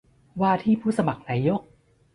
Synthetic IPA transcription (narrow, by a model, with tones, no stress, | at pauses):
waː˥˩t̪ʰiː˥˩pʰuː˥˩sa˧ma˨˩k̚naː˨˦˥jo˦˥˩k̚